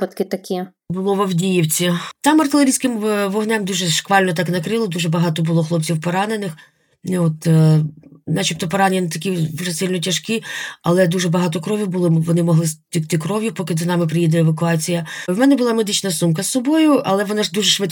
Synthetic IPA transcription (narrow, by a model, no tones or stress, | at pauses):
pɐt̪kɪt̪ɐkʲi | bʊlˠɔʋɔwdʲijiwt͡sʲit̪ɑmɐrt̪ɪlʲˠeɾʲijsʲkɪmʋɔɦnɛmd̪uʒɛʃkʋɑlʲnɔt̪ɑknɐkɾɪlˠɔd̪uʒɛbɐɦɑt̪ɔbʊlˠɔxlˠɔp̚t͡sʲiwpɔɾɑne̞nɪx | nɔt̪ | nɑt͡ʃip̚t̪ɔpɔɾɑnʲnt̪ɐkʲiʋʒɛsɪlʲnɔtʲɐʃkiɐ̰lˠɛd̪uʒɛbɐɦɑt̪ɔkɾɔʋʲʊbʊlˠɔʋɔnɪmɔɦlˠɪstʲikt̪ɪkɾɔʋjʊpɔkɪzɐnɑmɪp̬ɾɪjid̪ɛeʋɐkʊɑt͡sʲijɐwmɛnɛbʊlˠɑmed̪ɪt͡ʃnɐsumkɐsːɔbɔjʊʔɐ̰lˠɛʋɔnɑʒd̪uʒɛʃʋɪt̪